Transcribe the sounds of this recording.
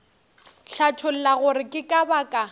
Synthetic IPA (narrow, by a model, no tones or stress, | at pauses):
ɬatʰʊl̩laɣʊɾɪkʼɪkʼabakʼa